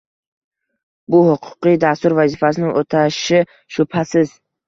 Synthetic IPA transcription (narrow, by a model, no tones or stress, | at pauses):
bʊhʊqʰʊ̥qid̪ast̪uɾvazifasɪnɪŋʔot̪ʰaʃɪ | ʃʊphasɪz̥